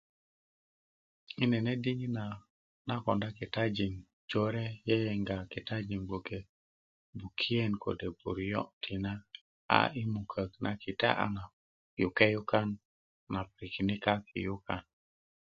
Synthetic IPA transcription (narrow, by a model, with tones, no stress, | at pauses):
i˦nɛ˨ne˦di˦ŋi˦na˨ | na˦kɔ˨nda˦ki˨ta˦d͡ʒi˨ŋ | d͡ʒo˦ɾɛ˦jɛ˦jɛ˨ŋɡa˨ki˨ta˦d͡ʒi˨mɡ͡bo˨ke˨ | bu˨kʰi˦e˦nko̰˨de˨bo̰˨ɾjɔ̰˦tʰi˨na˦ | a̰˨i˦mu˨kʰə˨kna˨ki˨ta̰˦ʔa̰˨ŋa˨ | ju˨ke˦ju˦ka˦nː | a˨pɾi˨ki˨ni˦ka˦kʰḭ˨ju˦ka˦˨n